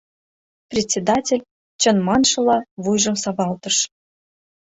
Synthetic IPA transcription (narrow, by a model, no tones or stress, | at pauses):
prʲetʲt͡sʲːed̪ɑtʲelʲ | t͡ɕə̆nmɑnʃɤ̆lɑβujʒə̆msɑβɑlt̪ɤ̆ʃ